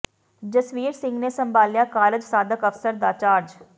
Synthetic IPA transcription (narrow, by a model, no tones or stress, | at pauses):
d͡ʒəswiːɾsɪ̃ŋɡnesəmbaːljaːkaːɾəd͡ʒsaːd̪əkəfsəɾd̪aːt͡ʃaːɾd͡ʒ